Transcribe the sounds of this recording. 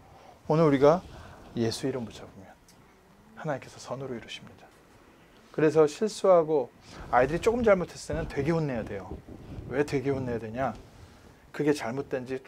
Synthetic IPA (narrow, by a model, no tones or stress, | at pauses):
onɯɾuɾiɡaje̞sʰuiɾʌmːut͡ɕʰabomjʌn | hanaɲimk͈e̞sʰʌsʰʌnɯɾoiɾuɕʰimɲidḁ | kɯɾe̞s̬ʰʌɕʰiɭs͈uɦaɡo | aidɯɾit͡ɕ͈ok͈ɯmt͡ɕaɭmotʰwe̞s͈emʌntwe̞ɡe̞wonːe̞jade̞jowe̞twe̞ɡe̞wonːe̞jadwe̞ɲa | kɯɡe̞t͡ɕaɭmot̚t͈we̞nd͡ʑi